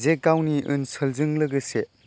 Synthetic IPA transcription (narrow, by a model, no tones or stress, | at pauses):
zekːawniʔɯ̰nsɯlzɯŋlɯɡɯse